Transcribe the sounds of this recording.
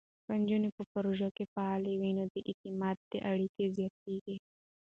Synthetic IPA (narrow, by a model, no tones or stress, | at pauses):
pand͡ʒunipəpaɾoʒakefaːlewinod̪əʔit̪imɑt̪̚d̪̥eʔaɽikezjɑt̪̚eɡe